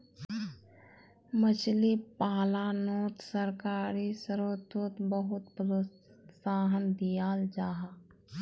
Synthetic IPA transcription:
mət͡ʃlipaːlanoːt̪səɾkaːɾisəɾoːt̪oːt̪bəɦʊt̪pɾo | saːɦənd̪ijaːld͡ʒaːɦa

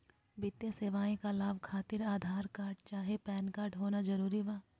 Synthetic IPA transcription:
bɪt̪jeseːʋaːĩkalaːbkʰaːt̪ɪɾaːd̪ʱaːɾkaːɾɖt͡ʃaːɦepɛːnkaːɾʈɦoːnad͡ʒɐɾuːɾiʋaː

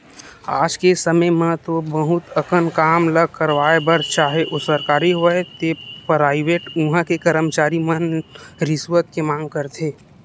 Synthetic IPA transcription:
aːd͡ʒkesəməjmãt̪obəɦʊt̪əkənkaːmləɡ̚ʱkəɾʋaːebəɾt͡ʃaːɦeʔʊsəɾkaːɾiɦoɛt̪epɾaːɪʋeːʈũɦãkekəɾəmt͡ʃaːɾimənɾɪswət̪̚kemãːŋɡ̚kəɾt̪ʰeː

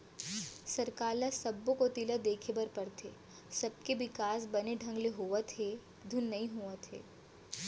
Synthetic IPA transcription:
sɐɾkaːlasɐbːõkot̪ilad̪eːkʰebɐɾpɐɾt̪ʰḛː | sɐb̚keʋɪkaːs̬bɐneɖʱɐ̃ŋɡleɦoat̪ʰe | d̪ʱʊnːɐɦĩɦuat̪ʰḛː

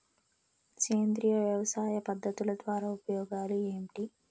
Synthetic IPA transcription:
keːnd̪ɾijɐʋjɐʋɐsaːjɐpɐd̪ːɐt̪ulɐd̪ʋaːɾaːupɐjɔːɡaːlieːmʈi

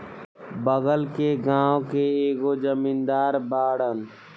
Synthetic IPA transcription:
bəɡəlkeɡãːwkeeːɡod͡ʒəmiːnd̪aːɾbaːɽən

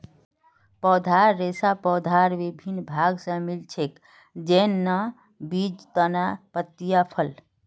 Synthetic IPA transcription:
pɔd̪ʱaɾːesapɔd̪ʱaɾʋibʱinbʱaɡsə̃milt͡ʃʰek | d͡ʒenːə | bid͡ʒt̪ənapət̪ːijapʰəl

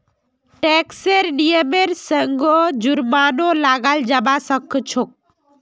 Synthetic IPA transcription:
ʈeːkseɾnijəmeɾsəŋɡod͡ʒʊɾmaːnolaːɡaːld͡ʒabasəkʰːt͡ʃʰok̚

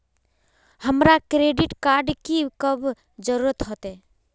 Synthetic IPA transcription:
həmɾakɾeːɖiʈkaːɾɖkikəb | d͡ʒəɾuɾət̪ɦot̪e

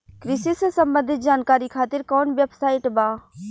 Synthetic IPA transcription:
kɾɪsisesɐmbə̃nd̪ʱɪt̪̚d͡ʒaːnkaːɾikʰaːt̪ɪɾkɔːnʋjəpsaːɪʈbaː

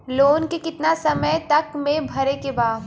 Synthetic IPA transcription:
loːnkekɪt̪nasɐməjt̪ɐkmẽbʱɐɾekebaː

